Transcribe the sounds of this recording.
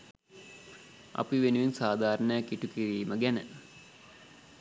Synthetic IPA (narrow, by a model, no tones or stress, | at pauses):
ɐ̰piʋenuʋinsaːd̪ʱaːɾəɳəjakːiʈukiriːməɡænə̰